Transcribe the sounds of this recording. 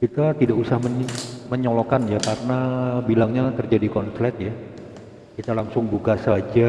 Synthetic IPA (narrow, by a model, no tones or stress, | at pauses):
kit̪at̪idaʔusahməməɲolokanjakarnabilaŋɲat̪ərd͡ʒadikɔnflɛt̪̚ja | kit̪alaŋsʊŋbukasəad͡ʒa